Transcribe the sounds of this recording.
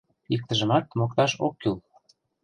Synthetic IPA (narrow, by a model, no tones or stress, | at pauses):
ik̚t̪ə̆ʒə̆mɑt̪̚mokt̪ɑʃokːyl